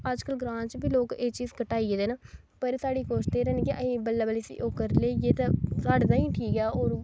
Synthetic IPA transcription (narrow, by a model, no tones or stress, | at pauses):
əd͡ʒkəlɡɾãːnt͡ʃbiːloːkeːt͡ʃiːzkəʈaːiːeːd̪eːnaː | pəɾsaːɽiːkoːʃt̪eːɾɛːnkɪʔəĩːbəlːaːbəliːsḭːʔoːkəɾleːjeːt̪asaːɖd̪aːĩːʈʰiːkɛːoːɾ